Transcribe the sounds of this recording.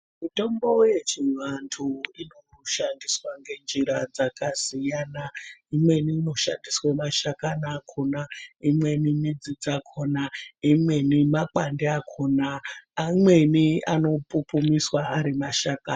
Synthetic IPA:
mito̞mbo̞je̞t͡ʃiʋantʰuino | ʃandiswaŋɡe̞nd͡ʒiɾad͡zakaz̥ijaːnaimwe̞niːno̞ʃa̰ndiswemaʃakanakʰonaimwe̞nimid͡zid͡zakʰoːnaimwe̞nimak͡pandeakʰoːnaːmwe̞nia̰no̞pupumiswaːɾimaʃakaːn

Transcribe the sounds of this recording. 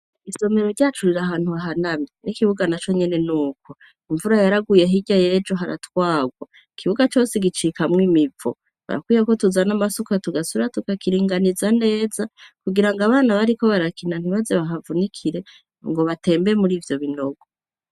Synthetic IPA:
iso̞me̞ɾoɾɟaːt͡ʃuɾiɾaɦaːn̥huaɦanaminikiβuɡanat͡ʃo̞ɲe̞ne̞nuːko̞ | iɱvuɾajaɾaɡuje̞ɦiɟajeːd͡ʒoɦaɾa̰twaːɡwa | ikʰiβuɡat͡ʃo̞ːseɡit͡ʃikamŋimivo̰ | βa̰ɾa̰kwiːjako̞tuzanamasukatuɡasuɾatukakiɾiːŋɡanizane̞ːzakuɡiɾaŋɡaβaːnaβaɾiko̞βaɾakʰinan̥hiβazeβaɦavunikʰiɾe̞ | ŋɡo̞βate̞ːmbemuɾiːvjo̞βino̞ɡo

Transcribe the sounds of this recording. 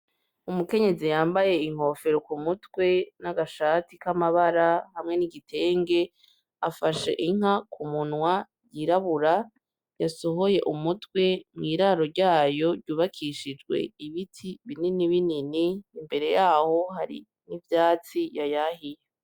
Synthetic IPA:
umuke̞ɲe̞zijaːmbaje̞iŋ̥ho̞ːfe̞ɾokumutwe̞naɡaʃatikamaβaɾahamŋe̞niɡitʰe̞ːŋɡe̞ | afaʃḛʔiŋ̥akʰumunwa | jiɾaβuɾa | jaso̞ɦo̞je̞ʔumutwe̞mŋiːɾaɾo̞ɾɟaːjo̞ɾɟuːβakʰiʃid͡ʒɡwe̞̰iβitʰiβininiβininiːmbe̞ɾe̞jaːho̞haɾḭ | nivjaːt͡sijajahije

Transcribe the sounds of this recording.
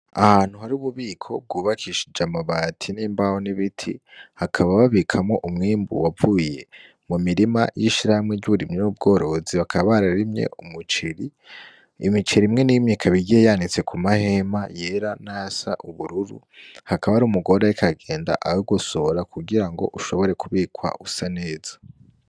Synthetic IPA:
ahan̥huhaɾiuβuβiːkʰo̞b̚ɡuːβakʰiʃid͡ʒamaβaːtʰiniːmbahoniβitʰḭhakʰaβaβaβikʰamŋo̞ʔumŋiːmbṵwavuːje̞ | mumiɾima̰jiʃiɾahamŋeɟuβuɾimɲenub̚ɡo̞ːɾo̞ziβakʰaβaɾaɾimɲḛʔumut͡ʃiɾi | imit͡ʃiɾimŋe̞nimɲikʰaβiɟiejanit͡se̞kʰumahe̞maje̞ːɾanasa̰ʔuβuɾuɾṵ | hakaβaɾumuɡo̞ɾajikʰaɡe̞ːnda̰ʔawoɡusoɾakʰuɡiɾaŋɡo̞̰ʔuʃo̞βo̞ɾe̞kuβiːkwa̰ʔusane̞ːz̥ḁ

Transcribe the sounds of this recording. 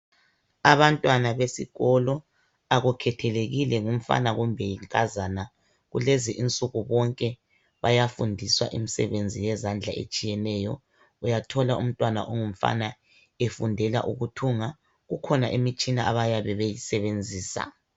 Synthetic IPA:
aβantʼwanaβesḭɣɔlɔ | aɣukʰɛtʰɛleɣilɛŋum̩fa̰naɣumbʱɛjiŋkʼazana | ɣuleziʔint͡sʼuɣuβɔŋkʼɛ | βajafundʱiswa̰ʔḭmisɛ̰βend͡zʱijɛzand͡ɮʱaʔḛt͡ʃʼijɛnɛːjɔ | ujatʰɔlaʔṵm̩tʼwana̰ʔɔŋum̩fa̰na | efundʱɛla̰ʔuɣutʰuŋa | ɣukʰɔnaʔimit͡ʃʼinaʔaβajaβɛβejisɛβend͡zʱiːsa̰

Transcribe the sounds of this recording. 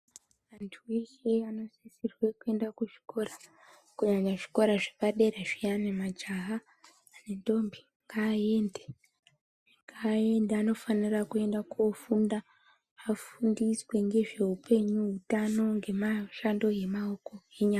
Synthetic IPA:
ʋantʰueʃeano̞sisirwe̞kue̞ndakuʐi̥ko̞ra | kuɲaɲaʐi̥ko̞ɾaʐeʋaɗe̞reʐijanemad͡ʒaɦaː | ne̞nto̞mbi | ŋɡaːe̞nde | ŋɡaːe̞ndaano̞fanirakue̞ndakofundaː | fundiswe̞ŋɡe̞ʐe̞upe̞ɲuɦutano̞ŋɡe̞maʃando̞je̞maoko̞eɲaːa

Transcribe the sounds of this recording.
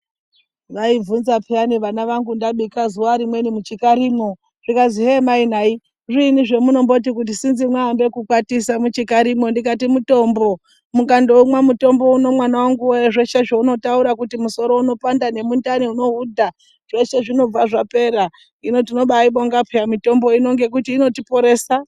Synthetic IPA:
ʋaib͡vunzapʰianiʋanaʋaŋɡundaɓikazuwaɾimwe̞nimut͡ʃikaɾimo̞ | ʐ̥ikaziɦemainai | riniʐe̞muno̞mbo̞t̬ikut̬isinzimwaːmbe̞kukwatisamut͡ʃikaɾimo̞ndikatimuto̞ːmbo̞ | mukando̞umwamuto̞mbo̞uno̞mwanawaŋɡuoeʐe̞ʃe̞ʐouno̞tauɾakutimuso̞ɾo̞uno̞pandane̞mundaniuno̞udʱa | ʐ̥e̞t͡ʃe̞ʐino̞b͡vaʐape̞ɾa | ino̞tino̞ɓaiɓoŋɡapʰejamito̞mbo̞ino̞ŋɡe̞k̬utiːno̞tipo̞ɾe̞ːsa

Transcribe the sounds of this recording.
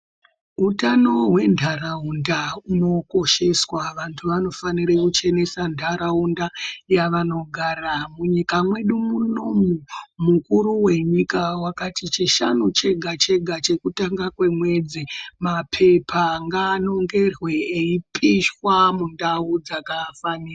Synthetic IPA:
utano̞ɦwe̞ndʱaraundauno̞ko̞ʃe̞swaʋantʰuʋano̞fanirekut͡ʃe̞ne̞sandʱaɾaundajaʋano̞ɡʱaɾamuɲikamwe̞ɗumuno̞mumukuɾuwe̞ɲikawakatit͡ʃiʃanut͡ʃe̞ɡʱat͡ʃe̞ɡʱat͡ʃe̞kutaŋɡakwe̞mwe̞d͡zimapʰe̞pʰaŋɡaːno̞ŋɡe̞rweːipiʃwamundaud͡zakaːfaniːra

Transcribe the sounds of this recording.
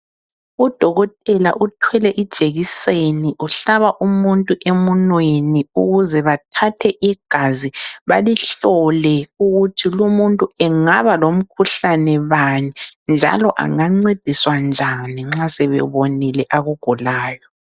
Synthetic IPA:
ud̥ʱɔɣɔtʼɛla̰ʔutʰwɛlɛʔid̥ʒ̥ʱeɣiseniʔuɬaβaʔumuntʼuʔemunweniuɣuzɛβatʰatʰɛʔiɡ̥ʱaziβaliɬɔlɛuɣutʰilumuntʼuɛŋaβalom̩kʰuɬanɛβanind͡ʒʱa̰lɔʔa̰ŋaŋ͡ǀed̥ʱiswand͡ʒʱaniŋ͡ǁasɛβɛ̰βonilɛʔaɣuɡ̥ʱulaːjɔ

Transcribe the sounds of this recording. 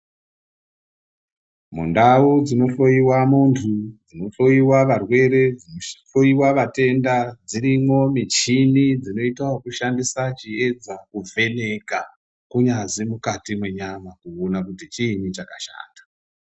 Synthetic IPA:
mṵndaud͡zino̞ɬo̞jiwamuntʰud͡zino̞ɬo̞jiwaʋarwe̞ɾe̞d͡zinoɬo̞iwaʋate̞ndad͡ziɾimo̞mit͡ʃinid͡zino̞itawakuʃandisat͡ʃie̞d͡zakuvʱe̞ne̞ka | kuɲazimukatimwe̞ɲamakuonakutit͡ʃiːnit͡ʃakaʃa̰ːnda

